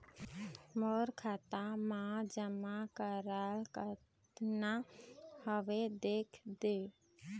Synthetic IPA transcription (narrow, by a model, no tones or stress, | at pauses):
mɔɾkʰat̪amãd͡ʒəmakəɾalkət̪ | nahəʋed̪ekʰd̪e